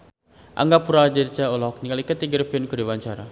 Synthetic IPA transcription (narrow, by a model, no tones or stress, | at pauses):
ʔa̰ŋɡapuɾad͡ʒəɾt͡ʃaɔlɔɔk̚nikalikat̪iɡəɾpɛnkəɾiwaɲt͡ʃaɾa